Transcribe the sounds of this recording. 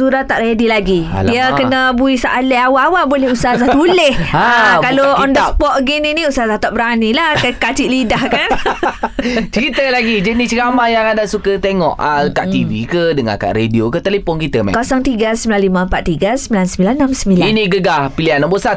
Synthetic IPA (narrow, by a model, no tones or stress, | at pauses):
suɾat̪ːaʔredilaɡḭ | diakənəbuisaʔaleawawaboleɦusaazaht̪ulehakaloɔndəspɔʔ̚ɡininĩusaazaht̪aʔbəɾanilahkakat͡ʃiʔlidahkan | t͡ʃəɾit̪əlaɡid͡ʒənit͡ʃəɡamajaŋadasukət̪eŋɔ̰ʔakaʔ̪ivikədəŋã̰ka̰ʔɾediokət̪əlepɔnkit̪əmɛ̰̃kasaŋt̪iɡasəmbilanlimaəmpat̪ːiɡasəmbilansəmbilanːãmsəmbilainĩɡəɡahpilianabosa